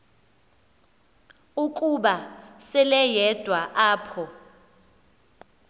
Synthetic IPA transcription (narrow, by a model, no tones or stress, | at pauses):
ukʼuɓasɛlɛjɛd̥ʱwaʔaːpʰɔ